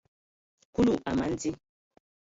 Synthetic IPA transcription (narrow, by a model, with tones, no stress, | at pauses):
ku˦lu˦˨ʔa˨ma˦n˦d͡zi˦